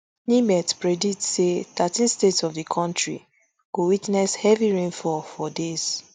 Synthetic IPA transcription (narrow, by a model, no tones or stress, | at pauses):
nĩmɛtpɹeditseθatĩnstetsɔvdəkʰɔ̃ntɹḭ | ɡ̥owitnɛshɛviɹẽnfɔfɔdez̥